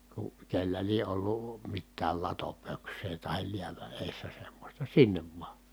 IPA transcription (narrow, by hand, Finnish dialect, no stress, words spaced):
ku kelːæ lie ʔolːuˑ mitːæːl lɑtopøksˑeː tɑhil liæʋæ ʔeˑi̯sːæ semːosʲtɑ sinːeʋ ʋŭɑ